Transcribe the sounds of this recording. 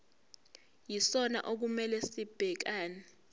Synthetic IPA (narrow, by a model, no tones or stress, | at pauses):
jisɔna̰ʔok̬umɛlɛsib̥ʱɛk̬aːnɛ